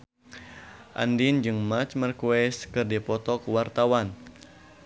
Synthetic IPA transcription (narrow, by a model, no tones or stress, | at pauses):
ʔa̰ndind͡ʒɨŋmat͡ʃmarkuɛskɨrdipɔt̪ɔkuwart̪awan